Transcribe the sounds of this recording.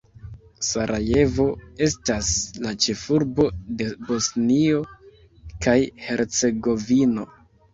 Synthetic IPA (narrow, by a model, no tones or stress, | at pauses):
saɾʔaje̞vo̞e̞staslat͡ʃe̞fuɾbo̞de̞bo̞snio̞ | kajhe̞ɾt͡se̞ɡo̞vino̞